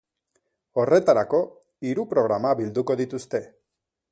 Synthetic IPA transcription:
o̞re̞t̪aɾako̞ | iɾupɾo̞ɣɾamaβild̪uko̞ðit̪ust̪e̞

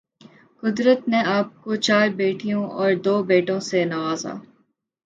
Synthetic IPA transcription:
kʊd̪ɾət̪neaːp̚kot͡ʃaːɾbeːʈijõʔɔːɾd̪oːbeːʈõsenɐʋaːza̰ː

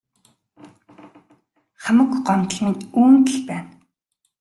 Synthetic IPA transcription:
χamə̆kɢɔmt̪ɮiːnuːŋt̪ɘɮpæːn

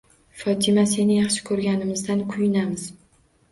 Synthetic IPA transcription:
fɒt̪ʰɪmase̞nɪjɑχʃɪ̥kʰɵɾɡʲanɪmɪzd̪ankʰʊjɪnamɪz̥

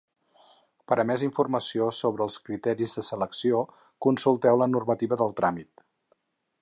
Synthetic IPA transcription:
pəɾəmɛziɱfurməsiosoβɾəːlˠskɾit̪ɛɾizðəsələksio | kunsulˠt̪ɛwlənurmət̪iβəðəlˠt̪ɾamit̪

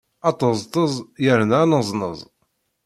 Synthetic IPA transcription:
ɑt̪ˤːəzˤt̪ˤəzˤjəɾnanəzˤnə̰zˤ

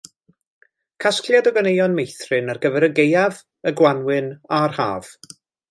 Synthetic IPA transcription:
kʰaskʰljadɔɡənejɔnmejθrɨnarɡəvɛɾəɡejav | əɡwanwɨnarha̰ːv̥

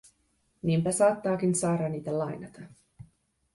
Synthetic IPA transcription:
niːmpæsɑːt̪ːɑːk̟insɑːɾɑniːt̪ælɑjnɑt̪ɑ

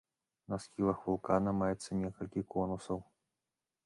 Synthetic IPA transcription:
nɐsxʲilˠɐxvulˠkanɐmajɛt̪sːɐnʲɛkɐlʲkʲikɔnusɐw

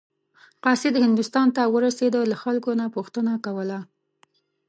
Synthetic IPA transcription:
qɑsed̪əhɪnd̪ʊst̪ɑnt̪awəɾased̪əlaxalkonapuxt̪ənakawəla

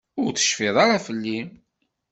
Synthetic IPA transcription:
ʊɾt͡sə̥ʃfiðˤɑɾafəlːim

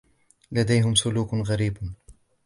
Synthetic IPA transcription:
lad̪ajɦɪmsʊluːkɣaɾiːb

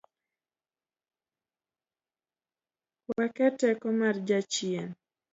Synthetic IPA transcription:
kwakɛtɛkɔmard͡ʒat͡ʃien

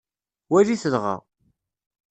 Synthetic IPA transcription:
wæliθəðʁa̰

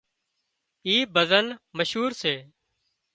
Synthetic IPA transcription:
iːbʱəzənməʃɦuːɾseː

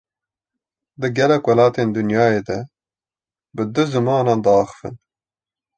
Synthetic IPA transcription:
d̪ɨɡɛlɛkwɑlɑːt̪eːnd̪ɨnjɑːjeːd̪ɛ | bɨd̪ɨzɨmɑːnɑːnd̪ɑɑːxɨ̥fɨ̰n

